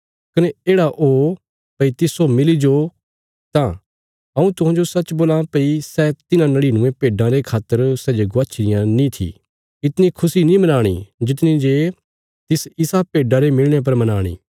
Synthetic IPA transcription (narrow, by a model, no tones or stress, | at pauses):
kɐnɛeːɽaʔo | pɐit̪ɪsomɪlid͡ʒo | t̪ã | ɐũt̪ʊɦãːd͡ʒosɐt͡ʃboːlãpɐisɛt̪ɪnãnɐɽiːnʊ̃ẽpeːɖãɾekʰaːt̪ːəɾsɛːd͡ʒeɡʊaːt͡ʃʰɾɪjãnĩt̪ʰḭ | ɪt̪nikʰʊsinĩmɐnaːɽ̃ḭd͡ʒɪt̪̬nĩd͡ʒe | t̪ɪsɪsapeːɖaɾemɪlɽ̃ep̬ɐɾmɐnaːɽ̃ḭː